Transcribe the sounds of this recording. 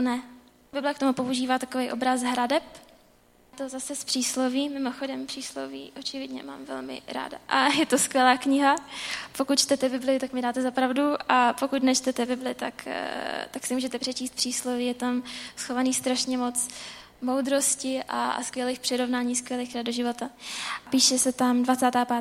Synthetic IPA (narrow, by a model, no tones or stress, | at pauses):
onɛ | bɪblɛkt̪o̞mupo̞uʒiːvaːt̪akovɛjʔo̞bɾasɦɾadɛp | t̪o̞zasɛspr̥iːsloviːmɪmoxo̞dɛmpr̥iːslovḭːʔo̞t͡ʃɪvɪdɲɛ̰ma̰ːmvɛ̰lmɪ̰ɾa̰ːda̰ʔajɛt̪o̞skʋʲjɛlaːkɲɪɦapo̞kut̪t͡ʃt̪ɛt̪ɛbɪblɪjʊt̪akmɪdaːt̪ɛzapɾavduapokut̪nɛt͡ʃt̪ɛt̪ɛbɪblɪt̪akt̪aksɪmuːʒɛt̪ɛpr̥ɛt͡ʃiːst̪̚pr̥iːsloviːjɛt̪amsxo̞vaniːst̪ɾaʃɲɛmo̞t͡s | mowd̪ɾo̞scɪʔa̰skʋjɛleːxpr̥ɪɾo̞vnaːɲiːskʋʲjɛliːxkɾad̪̚oʒɪvo̞t̪apiːʃɛsɛt̪amdvat͡saːt̪aːpa